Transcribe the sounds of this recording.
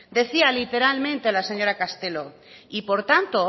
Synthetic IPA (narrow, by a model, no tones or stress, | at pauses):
d̪e̞θialit̪e̞ɾalmẽnt̪elase̞ɲo̞ɾakast̪e̞lo̞ | ipo̞ɾt̪ant̪o̞